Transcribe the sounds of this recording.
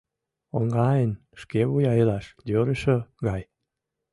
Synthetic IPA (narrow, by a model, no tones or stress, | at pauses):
oŋɡɑjən | ʃkeβujɑjəlɑʃd̪øɾəʃəɡɑj